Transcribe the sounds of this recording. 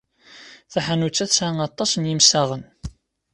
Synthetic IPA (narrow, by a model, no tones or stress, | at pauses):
θæħanut͡sːæθsanɑt̪ˤːɑsənjimsaʁən